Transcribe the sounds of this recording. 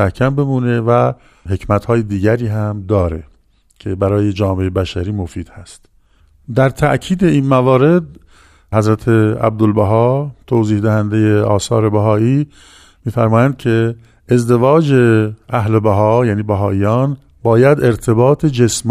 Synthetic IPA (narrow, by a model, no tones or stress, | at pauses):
æhkʰæmbe̞muːne̞væ | he̞cʰmæt̪hɒːjed̪iːɟæɾiːɦæmd̪ɒːɾḛ | cʰe̞bæɾɒːje̞d͡ʒɒːme̞ebæʃæɾiːmofiːd̪̥hæst̪ | d̪æɾt̪ʰæʔcʰiːd̪e̞iːnmævɒːɾe̞d̪̚ | hæzɾæt̪ʰeæ̰b̚d̪olbæɦɒːt̪ʰoːziːhd̪æhænd̪e̞jeɒːsɒːɾebæɦɒːʔiː | miːfæɾmɒːjænd̪̥̚cʰe̞ | ezd̪e̞vɒːd͡ʒeʔæɦlebæɦɒːjæːniːbæɦɒːʔijɒːn | bɒːjæd̪e̞ɾt̪ʰe̞bɒːt̪ʰe̞d͡ʒesm